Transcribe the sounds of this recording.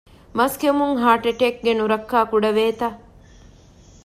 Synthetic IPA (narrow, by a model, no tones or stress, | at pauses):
mɐskemuŋɦaːʈeʈek̚ɡenuɾɐkːaːkuɖɐʋeːt̪ɐ